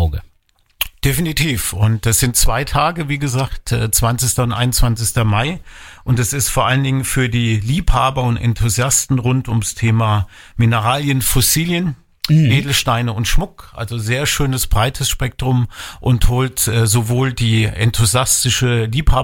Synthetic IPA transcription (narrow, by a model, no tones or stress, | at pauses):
ʊɡə | d̥efinitʰiːfʊntd̥asz̥ɪnt̚t͡sv̥aɪtʰaːɡəviːɡəzaːktɛːt͡sv̥ant͡sɪçtɐʊntʔa̰ɪnʊnt͡sv̥ant͡sɪçtɐmaɪʔʊntd̥ɛsɪstfoːɐʔaləndɪŋənfyːɐdiːliːphaːbɐʊntɛ̰ntʰuzjastn̩ʁʊntʊmstʰeːma | mɪnəʁaːljənfɔsiːljən | ʔʔeːdl̩ʃtaɪnəʊntʃmʊkʔa̰lzozeːɐʃøːnəsb̥ʁaɪtʰəsʃpɛk̚tʁ̥ʊmʔʊnthoːltɛːzovoːldiːʔɛ̰ntʰuzjastɪʃəliːphaː